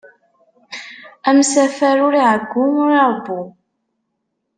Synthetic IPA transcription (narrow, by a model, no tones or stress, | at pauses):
æmsæfæɾʊɾiʕəɡʷːʊnɾˤɑˤbu